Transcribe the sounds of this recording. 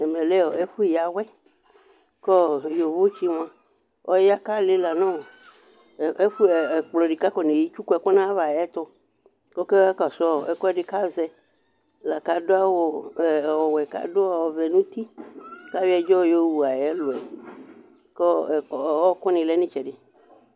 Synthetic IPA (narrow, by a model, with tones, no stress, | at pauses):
ɛ˨mɛ̃˨lɛ˦ɔ˨e˦ɸu˦˨ja˨wɛ˦ | kɔ˦jo˨vo˦t͡ʃi˦m˨ã˨ | ɔ˦ja˦ka˦le˦la˨nã˦wo˨ | e˦fu˦˨k͡plɔ˨ɖi˨ka˦kɔ˨nẽ˨ji˦t͡ʃu˦kɔ˦ɛ˨kɔ˦nã˦va˨jɛ˦t̪ɔ˦ | kɔ˦ke˦a˦ka˨sɔ˦a˦˨ɛ˨kɔ˦ɛ˦ɖe˨ka˦zɛ˦ | la˨ka˨do˦a˦wo˦˨wɔ˨wɛ˨ka̰˨do˦a˨wɔ˨vɛ˨nũ˦t̪i˦ka˦wi˦ɛ˦d͡ʒɔ˦jo˦wu˨a˨jɛ˦lo˨ɛ˨ | kɔ˦˨wɔ˦kɔ˦nĩ˨lɛ˦nĩ˦t͡ʃɛ˨ɖe˨